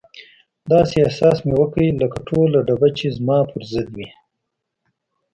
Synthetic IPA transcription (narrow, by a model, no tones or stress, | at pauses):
d̪ɑːseasɑːsmewəkəiləkaʈʰolaɖabat͡ʃezmɑːpʰəɾzɪd̪wi